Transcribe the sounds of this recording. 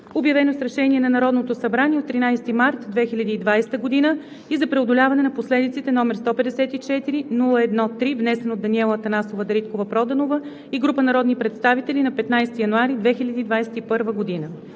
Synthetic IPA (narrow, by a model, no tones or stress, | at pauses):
objɐvɛnosɾɛʃɛnʲiɛnɐnɐɾɔd̪not̪osɐbɾaniɛot̪ːɾinajsɛ̥t̪imaɾt̪d̪vɛxilʲɐd̪iːd̪vajst̪əɡod̪inə | izɐpɾɛod̪olʲavɐnɛnɐposlɛd̪it̪sit̪ɛnɔmɛɾst̪ɔpɛd̪ɛsɛt̪it͡ʃɛt̪iɾinulˠəɛd̪nɔt̪ɾivnɛsɛnod̪ɐniɛlˠət̪ɐnasovəd̪ɐɾit̪kovɐpɾɔd̪ɐnovə | iɡɾupənɐɾɔd̪nipɾɛt̪st̪avit̪ɛlinɐpɛt̪najst̪ijɐnuaɾid̪vɛxilʲɐd̪iːd̪vajsɛ̥t̪ipɤɾvəɡod̪inə